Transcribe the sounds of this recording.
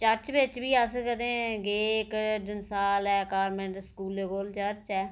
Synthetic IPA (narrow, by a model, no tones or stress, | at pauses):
t͡ʃəɾt͡ʃʋɪt͡ʃbiːəskəd̪ẽːɡeːkəɖənsaːlɛːkaːɾmɛ̃ɳʈskuːleːkoːlt͡ʃəɾt͡ʃɛː